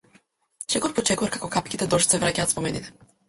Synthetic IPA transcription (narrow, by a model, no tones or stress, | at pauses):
ʃɛkɔɾpɔt͡ʃɛkuvaɾkakɔkapkʲit̪ɛd̪ɔʃt̪sɛvɾacaːt̪spɔmɛnit̪ɛ̥